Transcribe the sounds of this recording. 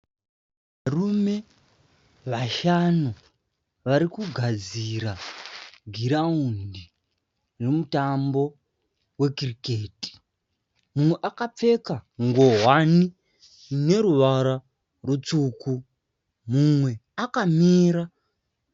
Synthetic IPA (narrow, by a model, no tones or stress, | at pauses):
ʋʋarume̞ | ʋaʃano | ʋaɾikuɡʱad͡ziɾa | ɡʱiɾaundi | remutambo̞ | we̞krikeːti̥ | mumweʔakap͡fe̞kaŋɡo̞ɦwani | ne̞ɾuʋaɾa | rut͡suku | mumwe̞akamiːɾa